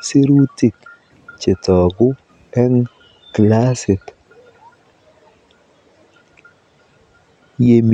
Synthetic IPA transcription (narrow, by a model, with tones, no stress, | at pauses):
si˦ɾu˦ti˦˨k | t͡ʃe˨tɔ˨ɡʊ˦ | ɛ˦ŋ | kla˦si˨t | je˨m